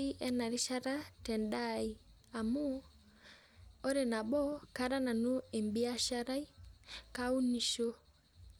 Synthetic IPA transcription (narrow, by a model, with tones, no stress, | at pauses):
i˦ʔɛ˦na˨ɾi˦ʃa˦ɾa˦tɛ˨nda˦i˨ | a˨mu˦ | ɔ˦ɾe˨na˨bɔ˦ka˦ɾa˦na˨no˦e˨mbi˦a˦ʃa˦ɾa˦i˦ka˦u˦ni˨ʃo˦